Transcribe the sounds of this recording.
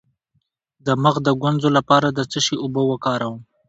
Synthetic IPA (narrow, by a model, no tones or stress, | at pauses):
d̪əməɣd̪əɡwanzolapɑɾad̪ət͡səʃiʊbəwəkɑɾawəm